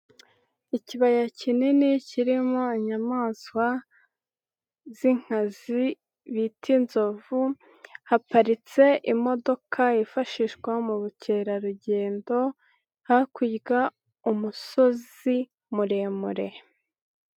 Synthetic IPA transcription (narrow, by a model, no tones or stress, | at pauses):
iciβajacininiciɾimoiɲamaːswa | z̥iŋ̥hazi | βitʰinzo̞vu | hapaɾit͡se̞ʔimo̞do̞kʰaifaʃiʃɡwamuɾucʰe̞ɾaɾuɟe̞ːndo̞ | hakwiːɡa | umuso̞z | i | muɾe̞ːmuɾe̞